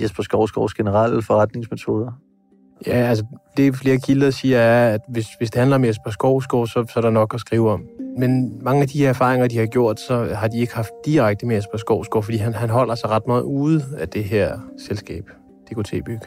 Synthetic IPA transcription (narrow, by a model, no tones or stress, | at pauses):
jesb̥ɐsɡ̥ɒʊ̰sɡ̥ɒʊsɡ̥enəʁɑl̰əfɒʁɑd̥ne̝ŋsmet͡sʰo̝ːðˠɐ | jææls̬əd̥e̝fle̝ːɐkʰiləsiːɐæɐæd̥ʋe̝sʋe̝sd̥e̝hænlɐɒ̽mesb̥ɐsɡ̥ɒʊ̰sɡ̥ɔ̰ʊsɒ̽sɒ̽æɐɾ̥enɒ̽ɡ̥ɒsɡ̥ʁiːʊɒ̽mmenmɑ̈ŋəæd̥iheɐæɐfɑ̰̈ːʁeŋɐd̥ihɑ̈ɡ̥jo̝ɐ̰d̥sɒ̽hɑ̈d̥ie̝ɡ̥hɑ̈fd̥̚d̥iʁaɡ̥̚d̥əmeesb̥ɐsɡ̥ɒʊsɡ̥ɔ̰ʊfɒ̽d̥ḭːɦænhænɦɒ̽l̰ɐsɑ̈ɪʁɑ̈d̥mɑ̈ːð̩ˠuːð̩ˠæd̥e̝ɦeɐ̰selsɡ̥ɛ̰ːb̥ | d̥e̝kʰut͡sʰḛːb̥yɡ̥